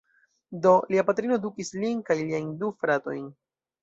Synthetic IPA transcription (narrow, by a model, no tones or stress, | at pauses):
do̞liapatɾino̞dukislinkajliajndufɾato̞̰jn